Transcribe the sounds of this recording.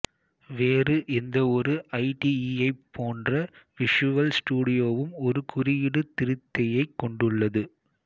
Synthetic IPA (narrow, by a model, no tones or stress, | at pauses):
ʋeːrɯʔɛnd̪ɐɔɾɯʔɐɪʈiiɐɪpʰːoːndrɐʋɪʂɯʋɐlsʈuːɽɪjoːʋɯmɔɾɯkʊrɪjɪɽɯt̪ɪɾɯt̪ːɐjɐɪkːɔɳɖɯɭːɐðɯ